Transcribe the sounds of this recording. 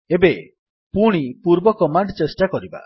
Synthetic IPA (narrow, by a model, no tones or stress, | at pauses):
ebe | puɽ̃ipuɾbɔkɔmaɳɖt͡ʃesʈakɔɾiba̰